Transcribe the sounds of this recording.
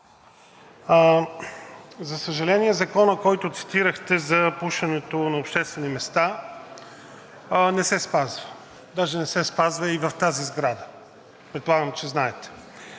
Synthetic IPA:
zɐsəʒɐlɛniɛzɐkɔnəkɔjt̪ʊt̪si̥t̪iɾəxt̪ɛzɐpuʃɐnɛt̪onɐopʃt̪ɛst̪vɛnimɛst̪a | nɛsɛspazvə | d̪aʒɛnɛsɛspazvɐivɐft̪azizɡɾad̪ə | pɾɛt̪̚polˠaɡəmt͡ʃɛznaɛt̪ɛ̥

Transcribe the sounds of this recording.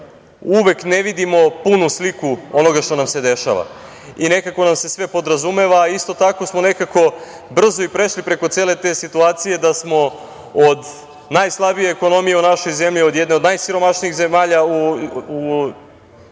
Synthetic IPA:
uʋe̞kne̞ʋid̪imo̞punuslikuo̞no̞ɡaʃt̪o̞namse̞d̪e̞ʃa̰ʋa̰ | ine̞kako̞namse̞sʋe̞po̞d̪ɾazume̞ʋaːist̪o̞t̪ako̞smone̞kako̞ | br̩zo̞ipɾe̞ʃlipɾe̞ko̞t̪seːle̞t̪e̞sit̪uaːt̪sije̞d̪asmo̞ | od̪ | najslˠabije̞ːko̞no̞mije̞unaʃo̞jze̞mʎio̞d̪jed̪ne̞od̪najsiɾo̞maʃniiɣze̞maːʎauu

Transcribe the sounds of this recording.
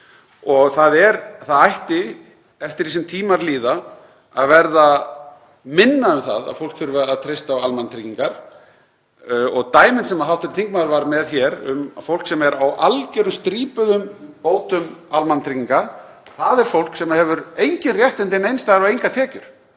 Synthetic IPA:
ɔɣθaðɛɾθaðajht̪ɪ | ɛft̪ɪɾisɪmt̪ʰiːmaɾliːða | aðvɛɾða | mɪnːaʏmθa̰ða̰ðfowl̥kθʏɾvʏaðt̪ʰɾejst̪awalmant̪ʰɾiciŋkaɾ̥ | ɔɣt̪aːjmɪnsɛmaðɦawht̪ɪɾt̪ʰiŋk̚maðɾvaɾmɛðçɛɾʏ̰mfowl̥ksɛmɛɾawʔalcɛɾʏmst̪ɾiːpʏðʏmpoːwt̪ʏmalmant̪ʰɾikciŋka | θaðɛɾ̥fowl̥ksɛmhɛvʏɾejɲcɪnrjɛht̪ɪnt̪ɪnejnst̪ajɣɾavejŋkat̪ʰɛːcʏɾ̥

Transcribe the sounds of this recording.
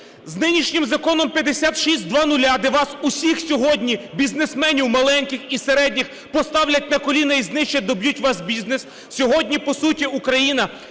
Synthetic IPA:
znɪnʲiʃnʲɪmzɐkɔnɔmpʲjɐd̪esʲat̪ʃisʲt̚ʲd̪ʋɑnʊlʲad̪ɛʋɑsusʲixsʲɔɦɔdʲnʲibʲiznesmɛnʲiwmɐlˠɛnʲkɪxiseɾɛdʲnʲix | pɔst̪ɑwlʲɐt̚ʲnɐkɔlʲinɐiznɪʃt͡ʃɛd̪ɔbjutʲʋɑsbʲiznes | sʲɔɦɔdʲnʲipɔsutʲiukɾɐjinɐ

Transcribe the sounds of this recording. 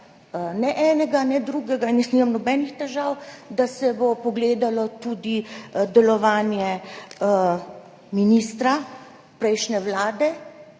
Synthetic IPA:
nɛʔɛːnɛɡanɛd̪ɾuɡɛɡainːɛsnimamnɔbɛːnixt̪ɛʒawd̪asɛbopɔɡleːd̪alɔt̪ud̪id̪ɛlɔʋaːnjɛ | miniːst̪ɾa | pɾɛjʃnɛwlaːd̪ɛ

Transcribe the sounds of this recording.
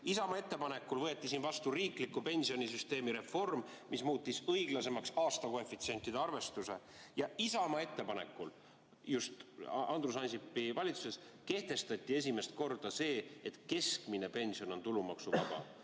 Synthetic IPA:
isɑmɑe̞t̪ːe̞pɑne̞kːˑulvɤ̞et̪ːˑisinvɑst̪uriːklikːˑupe̞nʲsio̞nʲisyst̪e̞ːmiɾe̞fo̞rm | mismuːt̪ːisɤiɡ̥lɑse̞mɑksɑːst̪ɑkoe̞fːˑit̪sie̞nʲt̪ːˑid̪eɑrve̞st̪use̞ | jɑisɑmɑe̞t̪ːe̞pɑne̞̰kːˑul | just̪ɑnd̪rus̬ɑnʲsipːˑivɑlʲit̪su̥se̞s | ke̞ht̪e̞st̪ɑt̪ʲːˑie̞s̬ʲime̞st̪̚ko̞rd̪̥ɑse̞ːet̪ke̞skmine̞pe̞nʲsio̞no̞nt̪ulumɑksuvɑb̥ɑ̰

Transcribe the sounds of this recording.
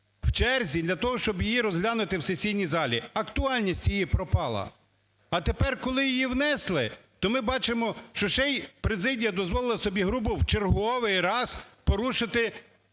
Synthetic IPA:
w̥t͡ʃɛrzʲid̪lʲɐt̪ɔɦɔʃt͡ʃɔbjijiɾɔzɦlʲanʊt̪ɪwsesʲijnʲizɑlʲiɐkt̪ʊɑlʲnʲisʲtʲjijipɾɔpɑlˠɐ̰ | ɐt̪epɛrkɔlˠɪjijiwnɛslˠɪt̪ɔmɪbɑt͡ʃemɔʃt͡ʃɔʃɛjpɾezɪdʲijɐd̪ɔzʋɔlˠɪlˠɐsɔbʲiɦɾubʊwt͡ʃerɦɔʋɪjɾɑzpɔɾuʃɪt̪ɪ

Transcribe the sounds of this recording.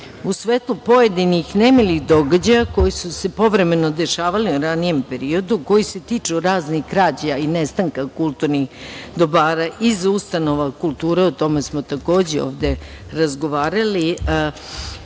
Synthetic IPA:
usʋeːt̪lˠupo̞jed̪inixnemelixd̪o̞ɡad͡ʑajako̞jisuse̞po̞ʋɾe̞me̞no̞d̪e̞ʃaːʋaliuɾanije̞mpe̞ɾio̞d̪uko̞jise̞t̪iːt͡ʂuɾaːznixkɾaːd͡ʑainest̪aŋkakulˠt̪uɾnixd̪o̞baːɾaʔizust̪ano̞ʋakulˠt̪uːɾeut̪o̞me̞smo̞t̪ako̞ːd͡ʑeo̞̰ːʋd̪e̞ | ɾazɡo̞ʋaːɾali

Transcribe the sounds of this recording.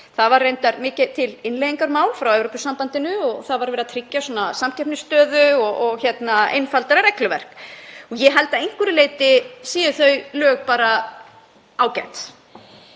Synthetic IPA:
θaðvarːejnt̪aɾmɪːcɪt̪ʰɪlɪnlejðiŋkaɾmaːwlfɾawɛwvɾopʏsːampant̪ɪnʏɔɣθaðvaɾvɛːɾat̪ʰɾɪcːasɔːnasamcʰɛpnɪst̪œːðʏɔɔɣçɛt̪naḛjnfalt̪aɾaɾɛklʏvɛ̰r̥kɔɣjɛɦɛlt̪aejŋ̥kvʏɾɪleːjt̪ɪsiːjʏθœɥlœːɣpaːɾa | aːwcɛnt̪

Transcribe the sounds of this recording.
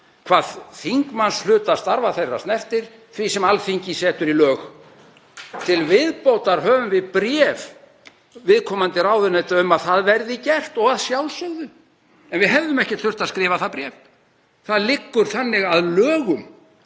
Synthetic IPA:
kʰvaːðθiŋkmanslʏːt̪ast̪aɾvaθejrːa̰st̪nɛft̪ɪɾ̥ | θvisɛmalfiɲcɪsɛːt̪ʏɾilœːx | t̪ʰɪlvɪðpowt̪aɾ̥hœːvʏmvɪðpɾɛːv | vɪðkʰɔːmant̪ɪɾaːwðʏnejt̪aʏmaðθaðvɛɾðɪcɛr̥t̪ɔɣaðsjawlsœɣðʏ | ɛnvɪðɦɛvðʏmɛhcɪ̥t̪ʏr̥t̪aðskɾɪːvaθaðpɾjɛːv | θaðlɪkːʏɾ̥θanːɪɣaðlœːɣʏm

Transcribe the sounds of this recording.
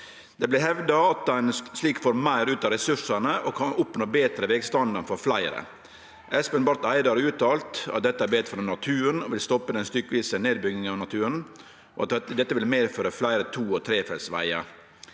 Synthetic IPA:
d̪̥ɛblɪɦɛʋd̪ɑɑt̪dɛɪnsliːkfoːɾmæɪɾʉːt̪ɑɾɛsʉʂənəɔkʰɑnʊpnoːbeːt̪ɾəʋeːɡst̪ɑnd̪ɑnfɔɾflæɪɾə̰ | ɛspənbɑɾt̪æɪd̪ɑɾʉːt̪ʰɑːlt̪ɑ̰t̪̚d̪ɛt̪ːəæɾbeːt̪fɔɾnnɑt̪ʰʉːɾənɔʋɪlst̪ɔpːəd̪ɛnst̪ʏkːʋiːsəneːd̪̚bʏɡɪŋəɑʋnɑt̪ʰʉːɾən | ɔɑt̪d̪ɛt̪ːəʋɪlmeːɾføːɾəflæɪɾət̪ʰuːɔt̪ʰɾeːfɛlsʋæ̰ɪə̰

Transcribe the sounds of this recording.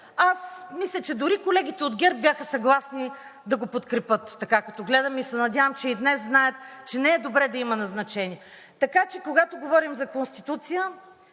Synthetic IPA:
asmislʲɐt͡ʃɛd̪ʊɾikolɛɡ̟ʲit̪ɛod̪ɡʲɛɾp̚bʲjaxəsɐɡlˠasni | d̪ɐɡopot̪kɾɛpɤt̪ːɐkakɐt̪ɔɡlɛd̪əmisɛnɐd̪ʲjavəmt͡ʃɛid̪nɛsznajət̪t͡ʃɛnɛɛd̪obɾɛd̪ɐimɐnɐznɐt͡ʃɛniɛ | t̪ɐkat͡ʃɛkoɡat̪oɡovɔɾimzɐkonst̪it̪ut̪sijə

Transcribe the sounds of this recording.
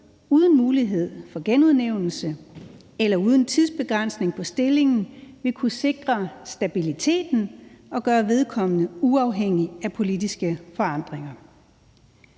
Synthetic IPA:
uːð̞ˠn̩muːliɦe̝ð̞̰ˠfɒ̽ɡ̥enuð̞ˠneʊ̰nl̩sə | elɐuːð̞ˠn̩t͡sʰiðˠsb̥e̝ɡ̥ʁan̰sne̝ŋpʰɒ̽sd̥e̝le̝ŋn̩ʋe̝kʰuse̝ɡ̥ʁɐsd̥æb̥ilit͡sʰe̝̰ːd̥n̩ɒ̽ɡ̥ɶːɐʋe̝ðˠkʰɒ̽m̰ənəuɑ̈ʊɦeŋ̰iæpʰo̝lidisɡ̥əfɒ̽ɑ̈n̰d̥ʁeŋɐ

